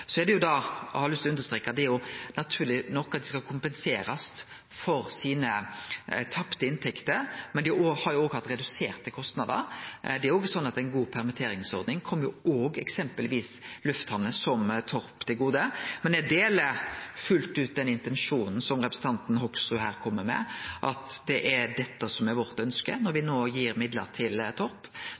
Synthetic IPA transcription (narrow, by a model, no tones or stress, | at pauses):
sɔɛd̪ɛjʊd̪ɑhɑɾlʏst̪ɔʉnd̪əɾst̪ɾeːkːɑd̪ɛæɾjʊnɑt̪ʰʉːɾlɪnɔkːɑt̪̚d̪ɛskɑkʰʊmpɛnseːɾɑst̪ | fɔɾsiːnə | t̪ʰɑpt̪əɪnt̪ʰɛkt̪əɾmɛnd̪ɪʔohɑɾjʊoːɡhɑt̪ɾɛd̪ʉseːʁt̪əkʰɔst̪nɑd̪ə̰ɾd̪ɛæɾjoːɡəsɔnːɑt̪æɪnɡuːpʰɛʁmɪt̪ʰeːɾɪŋsɔɾd̪nɪŋkʰɔmːəjʊoːɡɛksɛmpəlʋiːslʉft̪hɑnːəsɔmt̪ʰɔɾpt̪ʰɪlɡuːd̪əmɛnd̪ɛd̪eːləfʉlt̪ʉːt̪̚d̪ɛnɪnt̪ɛnʂuːnn̩sɔmʁɛpɾəsn̩t̪ʰɑnt̪n̩ɦɔksʊɦæːɾkʰɔmːəmɛ̰ʔɑt̪d̪ɛʔæd̪ɛt̪ːəsɔmɛʋɔɾt̪œnskə̰nɔɾʋɪnoːjiːɾmɪd̪lə̰ɾt̪ʰɪlt̪ʰɔɾp